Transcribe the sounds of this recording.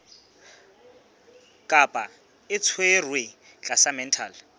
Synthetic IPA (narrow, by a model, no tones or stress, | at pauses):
kʼapʼa | ɪt͡sʰwerwe | t͡ɬʼasamɛn̩tʰaːl